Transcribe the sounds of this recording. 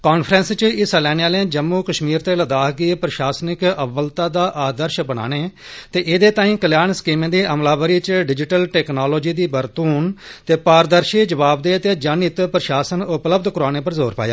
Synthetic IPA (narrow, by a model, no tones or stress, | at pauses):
koːnpʰɾənst͡ʃɪslɛːneːaːlẽd͡ʒəmːuːkəʃmiːɾt̪eːləd̪aːɦɡiːpɾəʃaːsnɪkəbəlt̪ãːd̪aːʔaːd̪əɾʃbəɽa̰ːneːt̪eːʔɪd̪eːt̪aːĩːkəljaːnskiːmẽːd̪eːʔəmlaːbəɾiːt͡ʃɖɪd͡ʒɪʈəlʈɛːknoːloːd͡ʒiːd̪iːbəɾt̪uːnt̪eːpaːɾd̪əɾʃiːd͡ʒəʋaːbd̪eːət̪eːd͡ʒanɪt̪pɾəʃaːsənʊpləb̚d̪kʊɾaːñeːp̬əɾzoːɾpa̰ːja̰ː